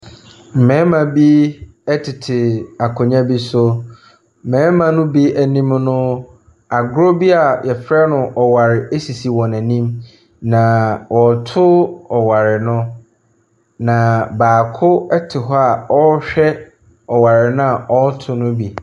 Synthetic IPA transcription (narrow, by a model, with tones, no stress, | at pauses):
m̩˨mɛ̃˨˦mã˨bi˦ | ɛ˦tʰɪ˨tʰɪ˨a˨kʰʊ̃˨ɲã˦bi˦sʊ˦ | m̩˨mɛ̃˨˦mã˨nʊ̃˦bi˦æ˨nĩ˦mnʊ̃˦ | a˨ɡʊ˦ɾo˦bi˦a˨jɛ˨fɾɛ˦nʊ̃˨ʔɔ˨wa˨ɾɪ˨e˦si˨si˨wɔ̃˨næ̃˨nĩ˦m | nã˨wʔɔ˨tʰʊ˦ɔ˨wa˨ɾɪ˨nʊ̃˦ | nã˨baː˨kʰʊ˦ɛ˦tʰɪ˨ɦɔ˦a˨ɔ˦ɕᶣɛ˦ | ɔ˨wa˨ɾɪ˨nʊ̃˦a˨ʔɔ˦tʰʊ˦nʊ̃˦bi˨